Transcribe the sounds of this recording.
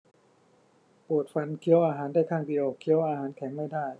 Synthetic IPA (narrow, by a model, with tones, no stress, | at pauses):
poː˨˩t̪̚fa˧nkʰi˧˦ə˦wʔaː˧ɦaː˩˦ndaː˥˩jk̪ʰaː˥˩ŋdi˧˨əwkʰːi˧˦ə˦wʔaː˧ɦaː˩˦nkʰɛː˩˦ŋma˥˩jdaː˥˩j